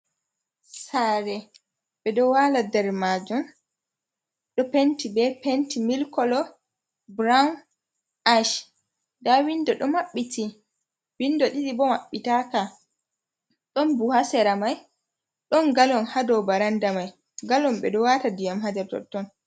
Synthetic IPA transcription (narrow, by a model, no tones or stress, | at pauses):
saɾɛ | ɓɛɗɔwaladɛɾmad͡ʒun | ɗɔpentibɛpentimilkɔlɔ | bɾan | ʔaʃ | dawindɔɗɔmaɓːiti | windɔɗiɗibɔmaɓːitaka | ɗɔnbuhasɛɾamaj | ɗɔnɡalɔnhadɔbaɾandamaj | ɡalɔmɓɛɗɔwatadijamɦadɛɾtɔ̰tːɔn